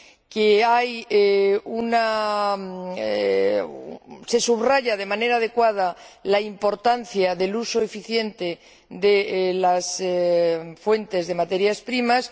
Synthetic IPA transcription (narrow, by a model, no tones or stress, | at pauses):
keajeuna | se̞suβraʝað̞e̞mãne̞ɾaːð̞e̞kwað̞alaimpo̞ɾt̪anθjaðe̞lusoefiθje̞nt̪e̞ | d̪e̞las | fwe̞nt̪e̞zðe̞mat̪e̞ɾjaspɾimas